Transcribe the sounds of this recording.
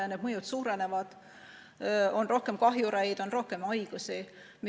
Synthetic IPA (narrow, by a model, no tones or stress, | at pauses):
ned̪̥mɤjut̪suːɾe̞ne̞vɑd̪̥ | o̞nrʔo̞hke̞mkɑɦjuɾæjd̪o̞nro̞hke̞mɑjɡ̥usi | mi